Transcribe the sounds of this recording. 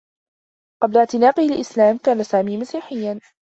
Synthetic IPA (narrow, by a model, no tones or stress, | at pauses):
qɑblaʕt̪ɪnaːqɪhalʔɪslaːmkaːnasaːmiːmasiːħɪjːan